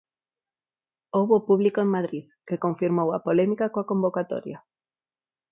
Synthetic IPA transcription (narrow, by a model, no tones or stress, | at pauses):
owβoːpuβlikoeŋmaðɾið | kekoɱfiɾmowapolɛmikakoakombokat̪o̰ɾja